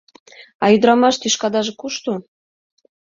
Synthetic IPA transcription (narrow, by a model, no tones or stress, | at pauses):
ɑ̰jyd̪ɾɑmɑʃt̪yʃkɑd̪ɑʒĕkuʃt̪u